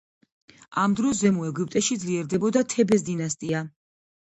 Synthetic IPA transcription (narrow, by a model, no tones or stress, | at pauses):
amd̪ɾɔs̬zɛmuɛɡup̚ʼt̪ʼɛʃid̪zliɛɾd̪ɛbɔd̪at̪ʰɛbɛs̬d̪inast̪ʼia